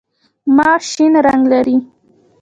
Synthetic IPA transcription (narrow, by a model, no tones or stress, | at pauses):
mɑʃinɾaŋɡlaɾi